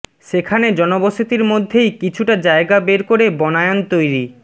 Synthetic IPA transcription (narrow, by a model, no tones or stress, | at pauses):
ʃekʰaned͡ʑɔnoboʃit̪iɾmod̪ʱːejkit͡ɕʰuʈad͡ʑaeɡabeɾkoɾebɔnaeont̪ojɾi